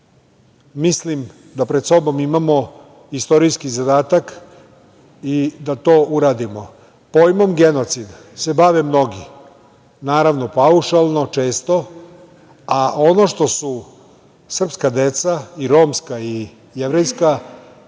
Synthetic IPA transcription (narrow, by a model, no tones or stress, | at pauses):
mislim | d̪apɾed̪so̞bo̞mimamo̞ | ist̪o̞ɾijskizad̪aːt̪ak | id̪at̪o̞ːuɾad̪imo̞ | po̞ːjmo̞mɡe̞no̞t̪sid̪ | se̞baʋemno̞ɡi | naːɾaʋno̞pauʃalˠno̞t͡ʃe̞ːst̪o̞ | ao̞no̞ʃt̪o̞su | sr̩pskad̪e̞t̪saiɾo̞mskai | jeʋɾejska